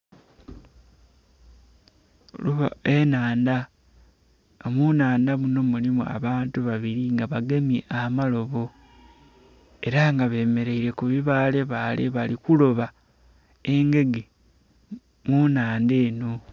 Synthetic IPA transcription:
oluβa̰enaːnda | omunaːndaβuno̞mulimua̰βaːntuβaβiɾiŋɡaβaɡe̞miʔamalo̞βo̞ | e̞ɾaŋɡaβe̞ːme̞ɾe̞iɾe̞kuβiβaːle̞βaːle̞̰βalikulo̞βa | e̞ŋɡe̞ɡe | munaːnde̞ːno̞

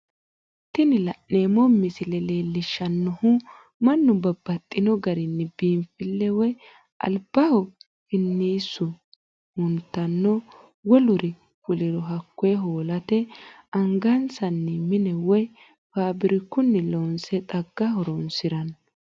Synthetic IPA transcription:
t̪ɪnɪlɐʔːeːmɔmːɪsɪlɛleːlːɪʃːɐnːɔhʊ | mɐnːʊbɐbːɐt̪ʼːɪnɔɡɐɾɪnːɛbiːmfɪlːɛwɔj | ʔɐ̰lb̥ɐhɔ | hɪnːiːsːʊ | hʊnt̪ːɐnːɔ | wɔlʊɾɪ | kʊlɪɾɔɦɐkːɔjɛɦoːlɐt̪ɛ | ɐŋɡɐnsɐnːɛmɪnɛwɔj | faːbɪɾɪkːʊnːɛlɔnsɛt̪ʼɐɡːɐɦɔɾɔnsɪɾɐn

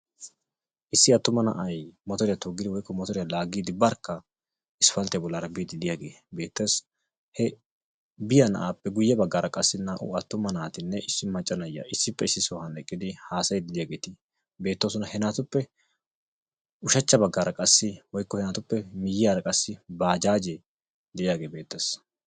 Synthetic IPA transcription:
ʔɪsːɪɐt̪ːʊmɐnɐ̰ʔɐjmɔt̪ɔɾɪjɐt̪oɡːɪd̪ɪwɔjkːɔmɔt̪ɔɾɪjɐlaːɡiːd̪ɪbɐɾkːɐ | ɪsfɐlt̪ɛjɐbɔlːaːɾɐbid̪ɪd̪ɪjaːɡe̞̰ː | be̞ːt̪ːes | hɛ | bɪjɐnɐ̰ʔaːpːɛɡʊjːɐbɐɡːaːɾɐkʼɐsːɪnaːʔʊ̰ɐt̪ːʊmɐnaːt̪ɪnːɛʔɪsːɪmɐt͡ʃʼːɐnɐjːɐ̰ʔɪsːɪpːɛɪsːɪsɔhɐnɛkʼːɪd̪ɪhaːsɐjd̪ɪd̪ɪjaːɡeːt̪ɪ | be̞ːt̪ːoːsʊnɐhɛnaːt̪ʊpːɛ | ʊʃɐt͡ʃːɐbɐɡːaːɾɐkʼɐsːɪwɔjkːɔhɛnaːt̪ʊpːɛmɪjːɪjaːɾɐkʼɐsːɪbaːd͡ʒaːd͡ʒe | d̪ɛɪjaːɡeːbe̞ːt̪ːes

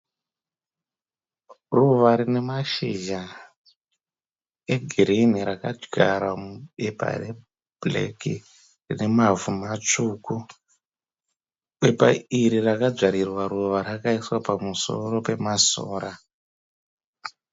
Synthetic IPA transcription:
ruʋaɾine̞maʃiʒa | eɡʱiɾimiɾakad͡ʒɡʱa̰ɾwamuɓepa̰re | b̥lḛki | rine̞mavumat͡ʂuku | ɓe̞pa̰iɾirakad͡zaɾirwaɾuʋaɾakaiswapamusoro̞pe̞maso̰ːɾa

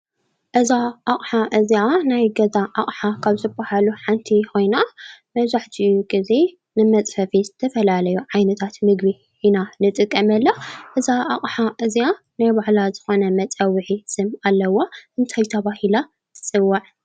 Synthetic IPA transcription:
ʔɨzaʔaχʼħaʔɨzianajɡɐzaʔaχʼħakʰaβzɨbahaluħant̪ʰixo̞jnamɐβzaħt̪ʰijuɡize̞ | nɨmɐt͡sʼfɐfizɨt̪ʰɐfɐlalɐjuʕajnɐt̪ʰat̪mɨɡbi | inanɨt̪ʼɨkʼːɐmɐlːaʔɨzaʔaχʼħaʔɨzia | najbaʕlazɨxo̞nɐmɐt͡sʼɐwːɨħisɨmalːɐwːoʔɨnt̪ʰajt̪ʰɐβahila | t̪ʰɨ̥sʼɨwːaʕ

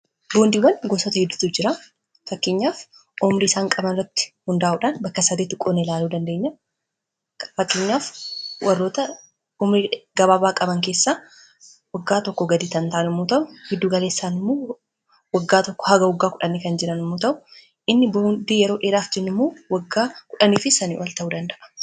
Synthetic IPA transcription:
boːnd̪iːwːɐnɡosɔt̪ɐhɪd̪ːʊ̥t̪ʊd͡ʒɪɾa | fɐkːeɲːaːf | ɔmɾisaːŋkʼɐbɐnɪrːɐt̪ːɪ̥hʊnd̪aːʔuːᶑaːnbɐkːɐsɐd̪eːt̪ʊkʼonelaːluːd̪ɐnd̪e̞ːɲːɐ | fɐkːeːɲːaːfwʔɐrːo̞ːt̪ɐ | ɔmɾiːɡɐbaːbaːkʼɐbɐŋke̞ːsːaː | wɐɡːaːt̪ɔkːɔɡɐd̪iːt̪ɐnt̪aʔnɪmːut̪ɐʔʊhɪd̪ːuːɡɐle̞ːsːaːnɪmːoː | wɐɡːaːt̪ɔkːɔ̥hɐɡɐwʊɡːaːkʊᶑɐniːkɐnd͡ʒɪɾɐnʊmːuːt̪ɐʔʊ̥ | ʔɪnːɪboːnd̪ijɛɾo̞ːʔeːɾaːfd͡ʒɛnːɪmːoːwɐɡːaːkʊᶑɐniːfɪsɐnḭwɐlt̪ɐʔuːd̪ɐnd̪ɐʔɐ̥

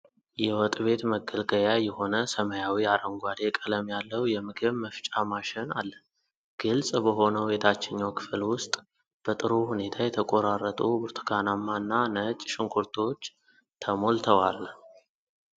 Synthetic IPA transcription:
jɛwɔt̪ʼβe̞t̪məɡəlɡəjajɛho̞nəsəməjawiaɾəŋɡʷad̪ekʼələmjalːəwjɛmɨɡɨβməft͡ʃʼamaʃɪna̰lːə | ɡ̥ɨlsʼbəɦo̞nəwjet̪ʰat͡ʃːɪɲːakʰɨ̥flwʊst̪ʼ | b̥ət̪ʼɨɾohune̞t̪ʰajɛt̪ʰəkʼo̞ɾarːət̪ʼubuɾt̪ʰɨɡ̥anamːanːanət͡ʃʼʃɪŋkʰuɾt̪ʰo̞t͡ʃː | t̪ʰəmo̞lt̪ʰəwal

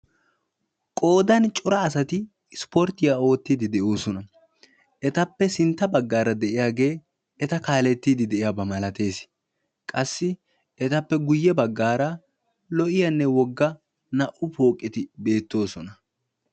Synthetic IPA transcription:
kʼo̞ːd̪ɐnt͡ʃʼʊɾɐːsɐt̪ɪ | spoɾt̪ːɪjao̞ːt̪ːid̪ɪd̪ɛʔo̞ːsɔnɐ | ɛt̪ɐpːɛsɪnt̪ːɐbɐɡːaːɾɐd̪ɛʔɪjaːɡe̞ː | ɛt̪ɐkaːlɛt̪ːiːd̪ɪd̪ɛʔɪjaːbɐmɐlɐt̪e̞ːs | kʼɐsːɪ | ɛt̪ɐpːɛɡʊjːɛbɐɡːaːɾɐ | lɔʔɪjɐnːɛwɔɡːɐ | nɐʔʊpo̞ːkʼːɪt̪ɪbe̞ːt̪ːo̞ːsɔnɐ

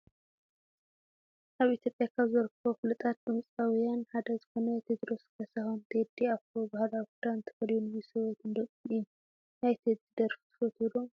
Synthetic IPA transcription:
ʔaβʔit̪ʰjo̞pʼjakʰaβzɐɾɨkʰːɐβofɨlɨt̪ʼat̪̚d̪ʼɨmt͡sʼawijanħad̪ɐzɨxo̞nɐt̪ʰed̪ɾo̞skʰɐsahont̪ʰed̪ːiafkobahlakud̪ant̪ʰɨ̥xɐljunwisɐwɐt̪ɨnd̪ɐkʼi | najt̪ʰed̪zɨd̪ɐɾft̪ʰɨ̥fɐt̪ʰuɾu

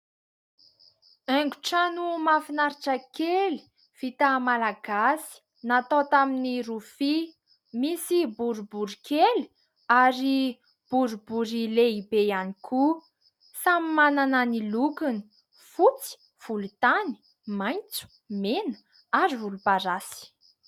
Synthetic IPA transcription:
ɛŋɡuʈ͡ʂanumafinaɾiʈ͡ʂəkeli̥ | v̥it̪amalaɡasi̥ | nat̪ot̪aminirufi | misibuɾubuɾikeli̥ | aɾi | b̥uɾubuɾileibejanikʰu | samimananənilukini̥ | fut͡si̥ | v̥ulut̪ani̥ | majnt͡su̥ | menə̥ | aɾivulupaɾasi̥

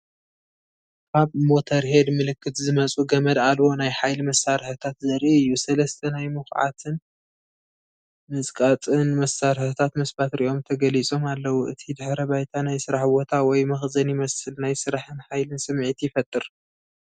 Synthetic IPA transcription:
kʰaβmo̞t̪ʰɐɾhe̞d̪mɨlɨkʰːɨt̪zɨmɐt͡sʼuɡɐmɐd̪alwo̞najħajlimɐsːaɾħɨt̪ʰat̪zɐɾiɨjːusɐlɐst̪ʰɐnajmɨxʕa̰t̪ʰɨn | mɨzkʼat͡sʼɨnmɐsaɾħɨt̪ʰat̪mɐsbat̪ɾiʔo̞mt̪ʰɐɡɐlit͡sʼo̞malːɐwuʔɨt̪ʰid̪ɨħɾɐβajt̪ʰanajsɨɾaħwot̪ʰawɔjmɐxzɐnjɪmɐsɨlnajsɨɾaħɨnħajlɨnsɨmʕit̪ʰjɪfɐt̪ʼːɨɾ

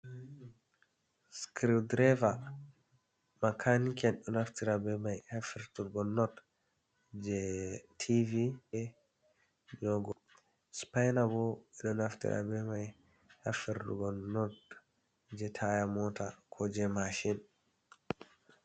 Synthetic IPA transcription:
skɾidɾɛva | makʰanikɛnɗɔnaftiɾabɛmajhafiɾtuɡɔnːɔt | d͡ʒɛtʰiviɛ | d͡ʒɔɡɔ | spajnabɔɓɛɗɔnaftḭɾʔa̰bɛmaj | hafiɾtṵɡɔɔt | d͡ʒɛtʰajamɔtakʰɔd͡ʒɛmaʃin

